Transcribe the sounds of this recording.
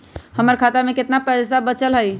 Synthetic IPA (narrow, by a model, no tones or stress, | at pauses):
həməɾkʰat̪amẽkɪt̪napɛsabət͡ʃəlɦəi